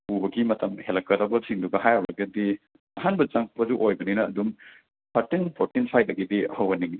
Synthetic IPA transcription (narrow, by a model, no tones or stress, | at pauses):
ubɐɡimɐtʰɐmhelɐkːɐɾɐbɐsiŋduɡɐɦajɐwlɐɡɐdi | ɐɦanbɐt͡ʃaŋʰpʰɐzuʔojbɐninɐːdum | pʰɐɾtinpʰoɾtinpʰajt̚ːɐɡidiɐhɐwɐniŋ